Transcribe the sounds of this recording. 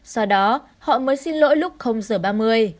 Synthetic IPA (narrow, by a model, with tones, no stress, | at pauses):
sɔ˧wɗɔ˨˦ | hɔ̰˧˨məː˨˦jsi˧nlo̰˧˥jlʊ˦˥k͡p̚xə˧wŋ͡mzəː˧˩ɓaː˧mɨ˧əj